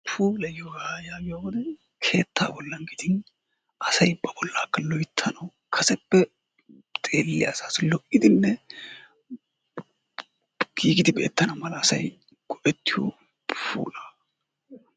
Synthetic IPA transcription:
pʰuːlɐjɔhaːjaːɡɪjawɔd̪ɛ | kʰe̞ːt̪ːa̰ːbɔlːɐŋɡid̪ɪn | ʔɐsɐjbɐbɔlːaːkːɐlɔjt̪ʰːɐnɐw | kʰɐsɛpːɛ | t̪ʼeːlːɪɐsaːslɔʔɪd̪ɪnːɛ | ɡ̥iːɡɪd̪ɪbe̞̰ːt̪ːɐnɐmɐlɐːsɐ̰j | ɡ̥ɔʔɛt̪ːɪjo̰ | pʰṵːlaː

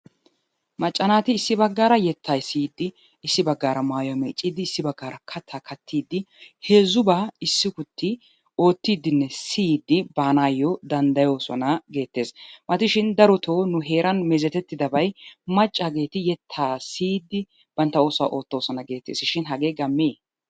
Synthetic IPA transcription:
mɐt͡ʃʼːɐnaːt̪ɪːsːɪbɐɡːaːɾɐjɛt̪ʰːɐjsiːd̪ːɪ | ɪsːɪbɐɡːaːɾɐmaːjʊɐmḛːt͡ʃʼiːd̪ːɪːsːɪbɐɡːaːɾɐkʰɐt̪ʰːɐkʰɐt̪ʰːiːd̪ːɪheːzʊbaːɪsːɪkʊt̪ʰːɪ | o̞ːt̪ːiːd̪ːɪnːɛsiːd̪ːɪbaːnaːjːɔd̪ɐnd̪ɐjo̞ːsɔ̰nɐɡe̞ːt̪ːe̞ːsmɐt̪ɪʃɪnd̪ɐɾɔt̪ʰoːnʊɦe̞ːɾʔɐnmɛzɛt̪ɛt̪ːɪd̪ɐbɐjmɐt͡ʃʼːaɡe̞ːt̪ɪjɛt̪ʰːaːsiːd̪ːɪ | b̥ɐnt̪ːɐo̞ːsa̰ʔo̞ːt̪ːo̞ːsɔnɐɡe̞ːt̪ːḛːsɪʃɪnɦɐɡe̞ːɡɐmːeː

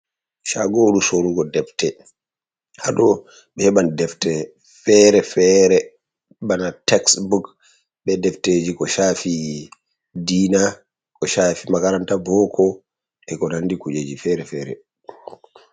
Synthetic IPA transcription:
ʃaɡoɗusoluɡɔdɛftɛ | haɗɔ | ɓɛhɛɓandɛftɛ | fɛɾɛfɛɾɛ | ɓanatɛksbuk | ɓɛdɛfteːd͡ʒikɔʃafi | diːna | kɔʃafimakaɾantabɔkʰɔ | ʔɛkɔnandikud͡ʒed͡ʒifɛɾɛfɛɾɛ̰

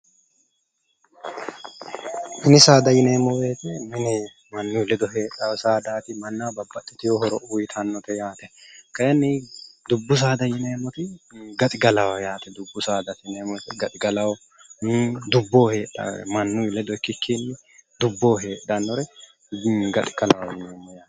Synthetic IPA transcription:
mɪnɪsaːd̪ɐjɪneːmɔweːt̪ɛmɪnɛ | mɐnːʊjlɛd̪ɔɦeːᶑɐwsaːd̪aːt̪ɪmɐnːaːbɐbːɐt̪ʼːɪt̪ɪjɔhɔɾɔʔuːjɪt̪ʰɐnːɔt̪ɛjaːt̪ɛkɐjɐnːɪd̪ʊbːʊs̬aːd̪ɐjɪneːmɔt̪ɪɡɐt̪ʼɪɡɐlɐwɐjaːt̪ɛd̪ʊbːʊsaːd̪ɐt̪neːmɔt̪ɛɡɐt̪ʼɪɡɐlɐwɔ | d̪ʊbːoːhe̞ːᶑɐ̰ɛ̰mɐnːʊlɛd̪ɔɪkːɪkːinːɪ | d̪ʊbːoːɦe̞ːᶑɐnːɔɾɛ | ɡɐt̪ʼɪ̥ɡ̥ɐlɐwɐjɪneːmːɔjaːt̪ɛ̥

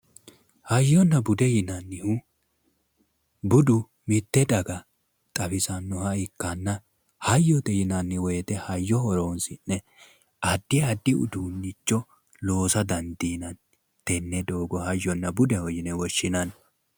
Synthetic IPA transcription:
hɐjːɔnːɐbʊd̪ɛjɪnɐnːɪhu | bʊd̪ʊ | mɪt̪ːɛd̪ɐɡɐ | t̪ʼɐfɪsɐnːɔhɐɪkːɐnːɐ | hɐjːɔt̪ɛjɪnɐnːɪwɔjɛt̪ɛhɐjːɔhɔɾoːnsɪnːɛ | ɐd̪ːɪɐd̪ːɪʊ̰d̪uːnːɪt͡ʃːɔ | lo̞ːsɐd̪ɐnd̪iːnɐn | t̪ɛnːɛd̪o̞ːɡɔhɐjːɔnːɐbʊd̪ɛhɔjɪnɛwɔʃːɪnɐn

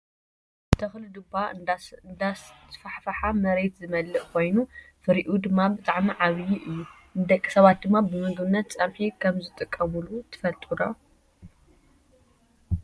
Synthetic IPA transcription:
t̪ʰɐxlɨd̪ɨband̪ast̪ʰfaħfɐħamɐɾe̞t̪zɨmɐlːɨʔkʰo̞jnufɨɾiʔud̪ɨmːabɨt̪ʼaʕmiʕaβɨjiʔɨjːu | nɨd̪ɐkʼːi̥sɐβat̪̚d̪ɨmːabɨmɨɡβɨnːɐt̪̚t͡sʼɐnħikʰɐmzɨt̪ʼɨkʼːɐmulut̪ʰɨ̥fɐlt̪ʼuɾo

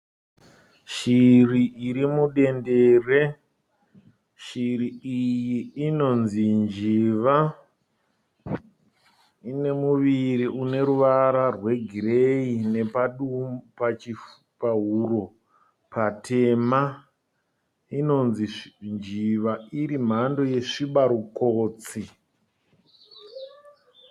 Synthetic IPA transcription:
ʃiriʔiɾimuɗe̞ndeːre̞ | ʃiriijiːno̞nzind͡ʒiʋa | ine̞muʋiɾiune̞ɾuʋaɾarwe̞ɡʱiɾeine̞paɗumpat͡ʃi | paɦuro̞ | patʰe̞ma | ino̞nzind͡ʒiʋaiɾim̤ando̞je̞ʂiɓaɾukoːt͡si

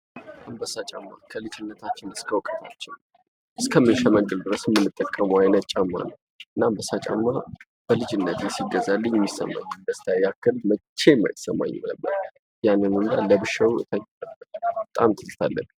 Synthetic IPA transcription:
ambəsat͡ʃʼamːa̰kʰəlɨd͡ʒɨnːət̪ʰat͡ʃːɪnɨskʰəwɔkʼə̥t̪ʰat͡ʃːɪn | ʔɨskʰəmɨnʃɛməŋɡʼɨld̪ɨɾəsɪmːɨnːɨt̪ʼːəkʼːəmuwajnət̪̚t͡ʃʼamːa̰nəw | ʔɨnːambəsat͡ʃʼa̰mːa | b̥əlɨd͡ʒɨnːət̪jesiɡəzalːɨɲɛmːisə̰mːa̰ɲːud̪əst̪ʰajakːɨlmət͡ʃːe̞ma̰jɪsːəmːa̰ɲːɛ̰mləbːə̰ɾ | janːɨnund̪a̰ləbɨʃəwɨ̰t̪ʰəɲːləəbət̪ʼamt̪ʰɨzɨlt̪ʰalːə̰ɡ

